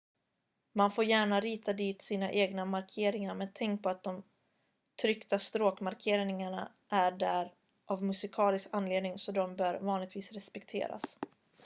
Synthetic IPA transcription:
manfoːɾjæːɳaɾiːt̪ad̪iːt̪siːna̰ʔeːɡnamaɾkʰeːɾɪŋaɾmɛnt̪ʰɛŋk̚pʰɔat̪̚d̪ɔm | t̪ʰɾʏkt̪ast̪ɾoːkmaɾkʰeːɾnɪŋaɳa̰ | ʔæɖæɾ | ʔavmɵsɪkʰɑːlɪskanːleːd̪nɪŋsɔd̪ɔmbœːɾvɑːnlɪɡt̪viːsɾɛspɛkt̪ʰḛːɾa̰s

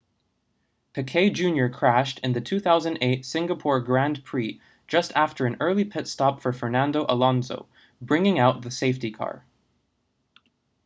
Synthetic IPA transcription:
pʰɨkʰeɪd͡ʒʉ̃njə˞kʰɹ̥æʃtʰɨ̃nðɨtʰʉθaʊzɨ̃ndeɪtsɪ̃ŋɡəpʰɔɹɡɹæ̃npʰɹ̥i | d̥ʒ̥ʌstʰæftə˞ɨ̃nɜ˞lˠipʰɪtstɑpfə˞fə˞næ̃ndoʊʔəlɑ̃nzo̰ʊ | bɹɪ̃ŋɪ̃ŋaʊt̪̚ðɨseɪftikʰɑ̰ɹ

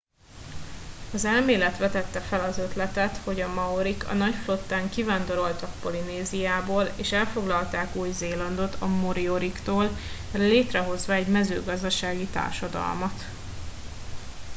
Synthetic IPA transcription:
ɒzɛlmeːlɛt̪ʋɛt̪ɛt̪ːɛfɛlɒzø̞t̪lɛt̪ɛt̪ho̞ɟɒmɒoɾikʰɒ̰nɒcflo̞t̪ːaːŋkivaːnd̪o̞ɾo̞lt̪ɒk̚po̞lineːzijaːboːleːʃɛlfo̞ɡlɒlt̪aːkuːjzeːlɒnd̪o̞t̪ʰɒmoɾio̞ɾikt̪oːl | leːt̪rɛɦo̞zʋɒɛɟmɛzø̰ːɡɒzd̪ɒʃaːɡit̪a̰ːrʃɒd̪ɒ̰lmɒt̪

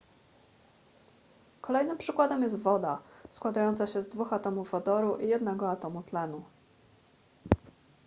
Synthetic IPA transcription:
kɔlɛjnɘmpʂɘkwad̪ɛmjɛst̪vɔd̪askwad̪ajɔnt̪saɕɛzd̪vuxat̪ɔmuvːad̪ɔɾuʔijɛd̪nɛɡɔat̪ɔmut̪lɛnu

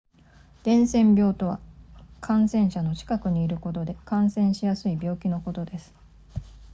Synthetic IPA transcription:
d̪̥ẽ̞ɰ̃sẽ̞mbʲjo̞ːt̪o̞βa̰kʰãɰ̃sẽ̞ɰ̃ɕano̞t͡ɕi̥kakɯ̟ɲ̟iːɾɯ̟ko̞t̪o̞d̪e̞kãɰ̃sẽ̞ɕijasɨibʲo̞ːkʲino̞ko̞t̪o̞d̪e̞sɨ̥

